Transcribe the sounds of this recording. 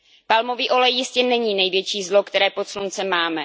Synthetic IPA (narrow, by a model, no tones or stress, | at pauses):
palmo̞viːʔo̞lɛjːɪscɛnɛɲiːnɛjvjɛt͡ʃiːzlo̞kt̪ɛɾɛːpot̪slunt͡sɛmaːmɛ